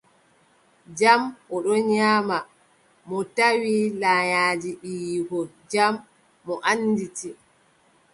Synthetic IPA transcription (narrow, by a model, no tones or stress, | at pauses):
d͡ʒamʔɔɗɔɲaːma | mɔtawilajaːd͡ʒiʔijɡɔn | d͡ʒamː | ɔʔanːditi